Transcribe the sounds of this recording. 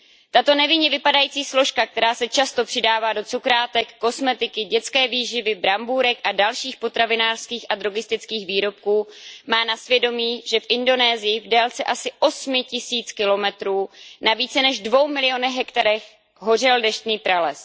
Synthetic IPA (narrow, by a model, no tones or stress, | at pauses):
t̪at̪o̞nɛvɪɲɛvɪpadajiːt͡siːslo̞ʃkak̚t̪ɛɾaːsɛt͡ʃast̪o̞pr̥ɪdaːvaːdo̞t͡sukɾaːt̪ɛkːo̞smɛt̪ɪkɪɟɛt͡skɛːviːʒɪvɪbɾambuɾɛkʔadalʃiːxpo̞t̪ɾavɪnaːr̥skiːxʔadɾoɡɪst̪ɪt͡skiːxviːɾo̞p̚kuːmaːnasvjɛdo̞miːʒɛfʔɪndo̞nɛːzɪjɪvdɛːlt͡sɛʔasɪʔo̞smɪcɪsiːt͡skɪlo̞mɛt̪ɾuːnaviːt͡sɛnɛʒdvo̞wmɪlɪjo̞nɛxɦɛkt̪aɾɛx | ɦo̞r̝ɪldɛʃt̪niːpɾalɛs